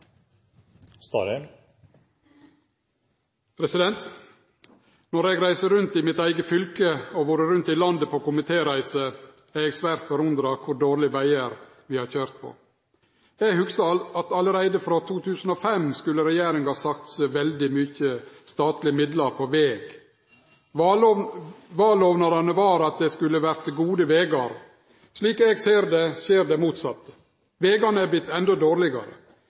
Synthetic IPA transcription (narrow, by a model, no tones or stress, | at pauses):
st̪ːɾ | pʰɾɛsɪd̪ɛnt̪ | nɔɾɛɡɾæɪsəɾʉnt̪ɪmɪt̪æɪɡəfʏlkəoʋuːɾəɾʉnt̪ɪlɑnd̪əpʰoːkʊmɪt̪ʰeːɾæɪsə | æɛkspæɾt̪fɔɾʉnd̪ɾɑkʰʊɾɖoːɾlɪʋæɪəɾ | ʋɪːhɑːɾçøːɾt̪̚pʰo̰ | ɛɡhʉksɑɑt̪ɑləɾæɪd̪əfɾot̪ʰuːt̪ʰʉːsn̩ɔfɛmskʉlːəɾɛjeːɾɪŋhɑːsɑk̚t̪sʋɛld̪ɪmʏçəst̪ɑːt̪lɪəmɪd̪lɑɾpʰɔʋeːɡ | ʋɑːloːʋnɑɾɑnəʋɑːɾɑt̪̚d̪ɛskʉlːəʋæɾt̪ɡuːd̪əʋeːɡɑɾ | ʂɭiːkɛɡseːɾd̪ɛʃeːɾɖ̪ɛmuːt̪sɑt̪ːə̥ | ʋeːɡɑnəæblɪt̪ːɛnd̪ɔd̪oːɾlɪɡɑ̰ɾə̰